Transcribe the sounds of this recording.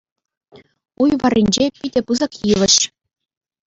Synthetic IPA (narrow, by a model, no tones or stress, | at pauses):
ujʋɑrʲːinʲd͡ʑepʲidʲĕpɯzɑkjiʋʲɘ̆ɕ